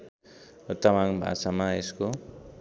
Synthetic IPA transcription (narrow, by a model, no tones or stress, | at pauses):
t̪ʌmaŋbʱa̰samaesko